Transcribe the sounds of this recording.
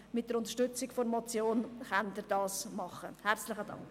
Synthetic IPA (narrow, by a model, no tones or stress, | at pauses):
mɪt̚d̥əɾʊnt̪əɾʃtʏt͡sɪkfoɾmɔt͡sjoːnχand̪ɪɾdɑːsmɑχəhæɾt͡slɪχədɑ̰ŋk